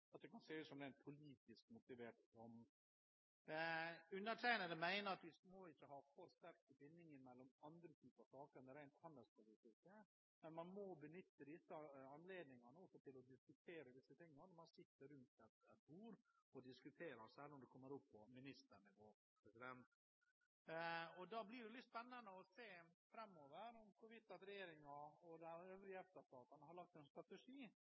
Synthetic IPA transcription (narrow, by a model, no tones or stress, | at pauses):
ɑt̪̚d̪ɛkʰɑnseːʉsɔmd̪ɛæɪnpʰʊliːt̪ɪskmʊt̪ɪʋeːʈtɔm | ɛʉnːəʈʰæɪnəd̪ɛmæɪnəɾɑt̪ʋɪsmoːɪçːəɦɑːfɔɾst̪æɾk̚t̪əbɪnːɪŋɪmɛlːɔmɑnd̪ɾət̪ʰyːpəɑsɑːkəɾnəɾæɪnt̪hɑnd̪ɛlspʰʊliːt̪ɪskə | mɛnmɑnmɔbənʏt̪ːəd̪ɪsːəɑnleːd̪nɪŋɑnəɔsɔt̪ʰɪlɔd̪ɪskʉt̪ʰeːɾəd̪ɪsət̪ʰɪŋːənənɔmɑnsɪt̪ːəɾʉnt̪ɛt̪ɛt̪̚buːɾɔd̪ɪskʉt̪ʰeːɾɑɾsɛlːɔmd̪ɛkʰɔmːəɾʊpʰːɔmɪnɪst̪əɾɳɪʋoː | pʰɾɛsɪd̪ɛnt̪ | ɔd̪ɑblɪɖɛlɪt̪ːspɛnːɑnd̪əɔseːfɾɑmːoːʋəɾɔmkʰʊʋɪt̪ːɑt̪ɾɛjeːɾɪŋɑɔd̪ɛæøːvɾɪəɛft̪əʂt̪ɑːt̪ɑnəhɑɾɭɑk̚t̪ɛnst̪ɾɑt̪ɛʂiː